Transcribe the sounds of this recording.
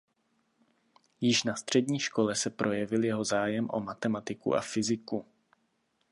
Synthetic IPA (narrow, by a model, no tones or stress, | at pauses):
jɪʃnast̪r̥ɛdɲiːʃko̞lɛsɛpɾʔo̞jɛvɪljɛɦo̞zaːjɛmʔo̞̰mat̪ɛmat̪ɪkṵʔa̰fɪzɪku